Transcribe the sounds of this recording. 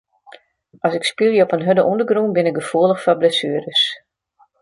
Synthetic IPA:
ʔɔsɪkspilˠjəɔpənɦødəʔundəɡrɾunbɪnɪk̚ɡəfuəlˠəxfɔblɛsyəɾəs

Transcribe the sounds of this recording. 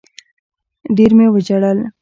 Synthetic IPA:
d̪iɾmewəd͡ʒaɽal

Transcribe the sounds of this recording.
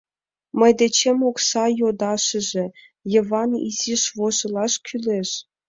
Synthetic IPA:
mə̆jd̪et͡ɕemoksɑjod̪ɑʃə̆ʒĕ | jɤ̆vɑnḭziʃβoʒɤ̆lˠɑʃkʲʰyleʃ

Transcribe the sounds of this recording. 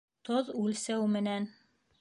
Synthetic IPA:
t̪oðʉlsæwmɘ̆næn

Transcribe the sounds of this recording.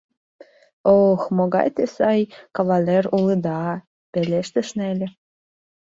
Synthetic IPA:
oxmoɡɑ̰jt̪esɑjkɑvɑlʲeruləd̪ɑ | pelʲeʃt̪ə̆ʃnelʲĕ

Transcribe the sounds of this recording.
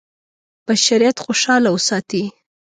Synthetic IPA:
b̥aʃaɾijat̪xoʃɑlawəsɑt̪i

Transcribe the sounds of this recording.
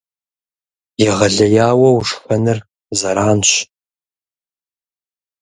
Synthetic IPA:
jɪʁɐɮɐjaːwɐwʂfɐnɨr | zɐɾaːnɕ

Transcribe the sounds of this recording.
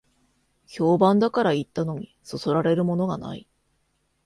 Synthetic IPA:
ço̞ːbãnd̪akaɾait̪ːano̞ɲ̟iso̞so̞ɾaɾe̞ɾɯ̟mo̞no̞ɡana̰i

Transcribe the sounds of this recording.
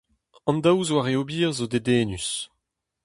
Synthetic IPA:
ɑ̃nd̪awzwaʁeobiːʁzod̪ed̪eːnys

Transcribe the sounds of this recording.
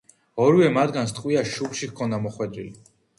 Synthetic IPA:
ɔɾwɛmad̪ɡanst̪ʼqʼwiaʃupʃikʰɔnd̪amɔχwɛd̪ɾili

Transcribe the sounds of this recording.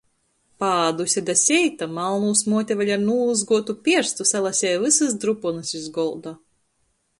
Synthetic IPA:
paːd̪usʲɛd̪asʲɛjt̪amalˠnuːsmuɔt̪ʲavaʎʲaɾnuːzɡuɔt̪upʲiɛɾst̪usalˠasʲɛːvɨsɨsd̪ɾupɔnɨsizɡɔlˠd̪a

